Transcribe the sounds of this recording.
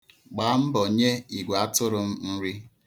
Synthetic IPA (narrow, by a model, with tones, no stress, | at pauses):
ɡ͡baː˨˦m̩˦bɔ˨ɲe˦i˨ɡʷa˦tʊ˦ɾʊ˦m̩˦n̩˦ɾi˦